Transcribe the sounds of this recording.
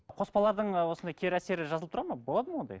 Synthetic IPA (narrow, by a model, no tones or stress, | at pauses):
qʰo̞spɑlˠɑɾd̪əɴwo̞sənd̪ɑjkʲʰeɾæse̞ɾɪʒɑzlˠəp̚t̪ɾɑɾmɑbo̞lˠɑd̪əmwo̞nd̪ɑ̰j